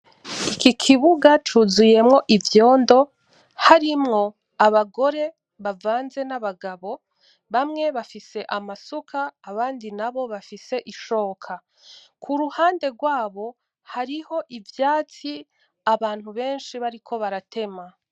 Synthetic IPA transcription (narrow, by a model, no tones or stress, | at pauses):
ikikʰiβuɡat͡ʃuzuje̞mŋo̞ʔivjo̞ːndo̞ | haɾimŋo̞ | aβaɡo̞ɾe̞ | βavaːnze̞naβaɡaβo̞ | βamŋe̞βafise̞ʔamasukʰaːβaːndinaβo̞βafise̞ʔiʃo̞ːkʰa | kʰuɾuhaːnde̞ɡwaːβo̞ | haɾiho̞ʔivjaːt͡si | aβaːn̥huβe̞ːnʃiβaɾikʰo̞βaɾatʰe̞ma